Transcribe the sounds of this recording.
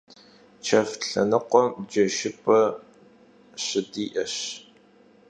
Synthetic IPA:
t͡ʃʰɐfɬɐnɨqʷɔmd͡ʒɐʃɪpʰɐ | ɕɪdiːʔɐɕ

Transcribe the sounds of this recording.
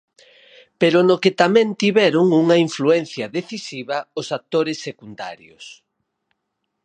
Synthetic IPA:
peɾonoket̪amɛ̃nt̪iβɛɾʊŋuŋɐiɱfluɛn̟θjɐðeθisiβɐʊsat̪oɾɪsːekund̪a̰ɾjo̰s

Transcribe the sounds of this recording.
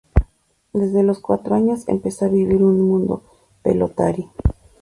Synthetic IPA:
d̪ezðelo̞skwat̪ɾoaɲosḛmpesoaβiβiɾunmũnd̪o̞̰ | pḛlo̰t̪aɾjo

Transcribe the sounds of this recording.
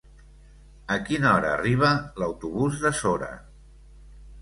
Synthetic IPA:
əkinəɔɾəːriβ̞ələwt̪uβuzðəsoɾə̰

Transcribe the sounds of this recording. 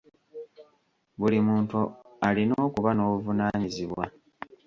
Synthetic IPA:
βulimuːntualino̞ːkuβano̞ːβuvunaːɲiziβwa

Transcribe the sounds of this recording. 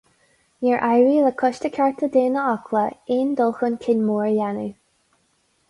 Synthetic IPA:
nɛɹʔajɹiːləkʰʊʃtəkʰaɹt̪ʰəd̪eːnəɔkʰləɪnd̪ɔlˠxənkʰɪnmuːɹjanu

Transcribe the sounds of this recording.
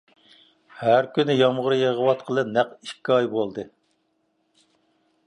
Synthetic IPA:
hæɾkʲynɪjɑmʁʊɾɨjeʁəwɑt̪̚qʰəlˠɨp̚næqiʃkʲːɑjbolˠd̪ɨ

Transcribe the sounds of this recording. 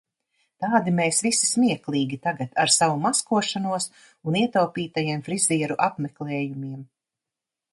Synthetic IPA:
t̪aːd̪imeːsvisi̥smiɛklˠiːɡʲit̪aɡat̪aɾsavumaskuɔʃanuɔs | uniɛt̪awpʲiːt̪ajiɛmfɾiziɛɾuʔapmɛklɛːjumiɛm

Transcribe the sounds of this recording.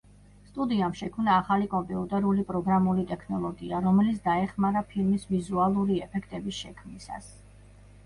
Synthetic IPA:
st̪ʼud̪iamʃɛkʰmnaːχalikʼɔmpʼɛut̪ʼɛɾulipʼɾɔɡɾamulit̪ʼɛkʰnɔlˠɔɡiaɾɔmɛlit̪sʰd̪aɛχmaɾapʰilmisvizualˠuɾiɛpʰɛkʰt̪ʼɛbisʃɛkʰmnisa̰s

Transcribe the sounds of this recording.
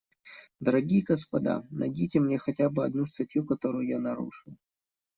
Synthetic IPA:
d̪əɾɐɡʲijəɡəspɐd̪a̰nɐ̰dʲijtʲɪmnʲexɐtʲabɨɐd̪nust̪ɐtʲjukɐt̪oɾʊjjanɐɾṵʂɨlˠ

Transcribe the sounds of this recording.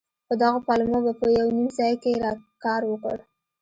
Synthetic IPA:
pəd̪ɑɣapɑlumobapəjawnimzɑjkeɾɑkɑɾwəkə̰ɽ

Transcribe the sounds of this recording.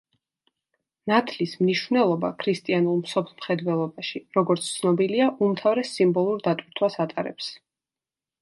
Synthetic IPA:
nat̪ʰlismniʃvnɛlˠɔba̰kʰɾist̪ʼianulˠmsɔpʰlˠmχɛd̪vɛlˠɔbaʃiɾɔɡɔɾt̪sʰt̪sʰnɔbiliaʔumt̪ʰavɾɛsimbɔlˠuɾd̪at̪ʼwiɾt̪ʰwasat̪ʼaɾɛ̰ps

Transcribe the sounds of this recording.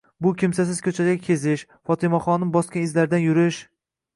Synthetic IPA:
bʊkʲʰɪmsas̬ɪz̥kʲʰɵt͡ʃʰadʲakʲʰezɪʃ | fɒt̪ʰɪmaχɒnɪmbɒskʲanɪzlaɾd̪anjʊɾɪʃ

